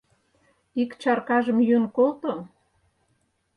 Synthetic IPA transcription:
ikt͡ɕɑrkɑʒə̆mjønkolt̪o

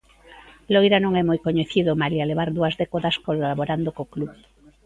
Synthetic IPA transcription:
lojɾanõŋɛmojkoɲeθiðʊmalialeβaɾðuɐzðɛkoðɐskolaβoɾand̪okokluβ

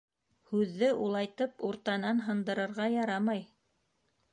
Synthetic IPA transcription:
hʉðːɘʔulˠɑjt̪ɤpuɾt̪ɑnɑnɦɤ̆nd̪ɤ̆ɾɤ̆ɾʁɑjɑɾɑmɑj

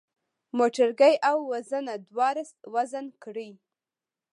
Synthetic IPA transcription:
moʈaɾɡajʔawːazanad̪wɑɾəswazankɽi

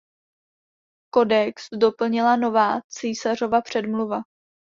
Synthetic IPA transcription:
ko̞dɛksdo̞pl̩ɲɪlano̞vaːt͡siːsar̝o̞vapr̝̥ɛdmluva

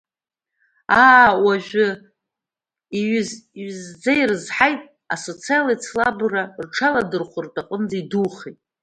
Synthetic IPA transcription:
aːwaʒᶣʷʊ | iɥzzd͡zairɨzħajtʼ | aso̞t͡sʰialajt͡sʰlabrarʈ͡ʂʰaladɨrχʷʊrtʼaqʼənd͡zaiduχejtʼ

